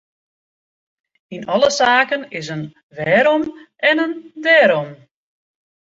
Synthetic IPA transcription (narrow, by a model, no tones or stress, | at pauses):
inɔlˠəsaːkənɪs̬ən | ʋɛːɾɔm | ɛnəndɛːɾɔm